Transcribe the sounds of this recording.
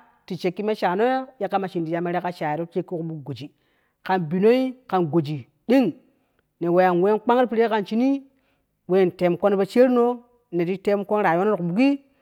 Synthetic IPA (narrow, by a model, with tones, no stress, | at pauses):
ti˨t͡ʃe˨kːi˦me˦ʃa˨no˦jo˦ja˦kːa˦ma˨ʃi˨ndi˨ja˦me˦ɾe˦ka˦ʃa˨je˨ɾo˦t͡ʃe˦kːi˦ku˨ɓu˦ɡo˨d͡ʒi˨ | ka˨nbi˨no˦i˦ka˨nɡo˨d͡ʒi˨ | ɗi˦ŋ | ne˨we˨ja˨nwe˦nk͡pa˦ŋ˦pi˦ɾe˦ka˨nt͡ʃi˦ni˦ | we˦˨nte˨˦mko˦n˦be˦t͡ʃe˦ɾno˦ | ne˨ti˦te˦mko˦nɾa˨˦o˦o˦ɾku˨bu˨ɡi˦